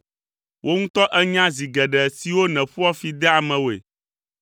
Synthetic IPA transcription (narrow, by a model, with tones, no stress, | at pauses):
wʔo˦ŋũ˦t̪ɔ˦ʔɛ˦ɲã˦zi˨ɡɛ˨ɖɛ˨si˨wo˦nɛ̃˨ɸu˦a˦fi˨d̪ɛ˦a˨mɛ̃˨wo˨ḛ˨